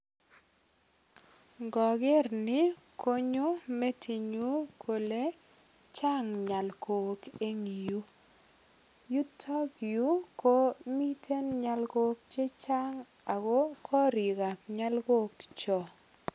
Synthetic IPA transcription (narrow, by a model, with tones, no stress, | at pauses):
ɡɔ˨ɡɪ˦rnɪ˦ | kʰo˦ɲo˦mɛ˦tʰi˨ɲu˦kʰo˨le˦ | t͡ʃa˦ŋɲa˨lkʰo˨ke˦ŋi˨ju˦ | ju˦tʰɔ˦ɡju˦ko˦mi˦tʰe˦nɲa˦lɡo˦k̚t͡ʃe˦t͡ʃa˦ŋ | a˨ɡo˦kʰɔ˦ɾi˨ɡa˨pɲa˦lɡo˦kt͡ʃɔ˨